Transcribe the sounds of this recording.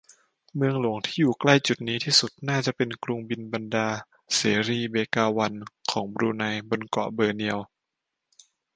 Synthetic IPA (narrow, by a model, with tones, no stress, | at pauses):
mɯ˧əŋlu˨˩˦ŋt̪ʰiː˥˩juː˨˩kla˥˩jt͡ɕu˨˩t̪̚niː˦˥t̪ʰiː˥˩su˨˩t̪̚naː˥˩t͡ɕa˨˩ʔpe˧nklu˧ŋbi˧nba˧ndaː˧ | seː˩˦ɾiː˧beː˧kaː˧wa˧nkʰɔː˩˦ŋbɾuː˧na˧jbo˧nkɔ̰˨˩bɤː˧ni˧əw